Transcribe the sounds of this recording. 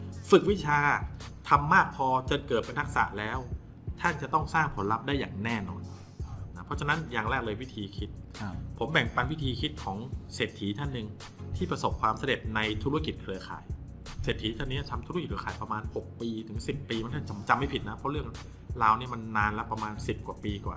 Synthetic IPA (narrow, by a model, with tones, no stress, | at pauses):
fɯ˨˩k̚wi˦˥t͡ɕʰaː˧ | t̪ʰa˧mːaː˥˩k̚pʰɔː˧t͡ɕɤː˧nkɤː˨˩t̪̚pe˧nt̪ʰa˦˥k̚sa̰˨˩ʔlɛː˦˥w | t̪ʰa˥˩nt͡ɕa˨˩t̪ɔ˥˩ŋsaː˥˩ŋpʰo˩˦nla˦˥p̚daː˥˩jːaː˨˩ŋnɛː˥˩nɔ̰ː˧n | na˦˥pʰɔ˦˥t͡ɕʰa˧na˦˥njaː˨˩ŋɾɛː˥˩k̚lɤː˧jwi˦˥t̪ʰiː˧kʰi˦˥t̪̚pʰo˩˦mbɛ˨˩ŋpa˧nwi˦˥t̪ʰiː˧kʰi˦˥t̪̚kʰɔː˩˦ŋseː˨˩t̪ʰːiː˩˦t̪ʰa˥˩nːɯ˨˩ŋ | t̪ʰiː˥˩pɾa˧so˨˩p̚kʰwaː˧msa˧de˨˩t̪̚na˧jt̪ʰu˦˥a˥ki˨˩t̪̚kʰɾɯ˧ɐkʰa̰ː˨˩˦j | seː˨˩t̪ʰːiː˦˥t̪ʰa˥˩nːi˦˥ɐt̪ʰa˧mt̪ʰu˧˥ki˩kʰɯ˧kaː˨˩jpɾa˧maː˧nho˨˩k̚piː˧t̪ʰɯ˩˦ŋsi˨˩pːiː˧ma˧˥˦t̪ʰa˥˩t͡ɕa˩mt͡ɕa˧mːa˥˩jpʰi˨˩t̪̚na˦˥pʰɔ˦˥ɾɯ˥˩əŋ | laː˧wni˥˩ma˧nːaː˧nlɛ˦˥pɾa˧maː˧nsi˨˩p̚kwaː˨˩piː˧kwa̰ː˨˩